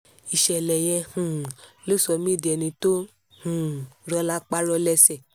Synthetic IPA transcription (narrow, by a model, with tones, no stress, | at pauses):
i˨ʃɛ˨lɛ˨jɛ˧hũ˨lo˦˨sɔ˧mĩ˦˨di˨ɛ˨nĩ˧to˦ | hũ˨ɾɔ˧˦la˦k͡pa˦ɾɔ˧lɛ˧sɛ˨